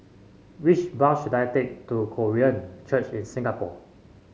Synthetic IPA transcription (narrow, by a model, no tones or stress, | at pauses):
wit͡ʃbaʃdaɪtek̚tukʰoɹiə̃nt͡ʃət͡ʃĩnsĩŋɡapɔ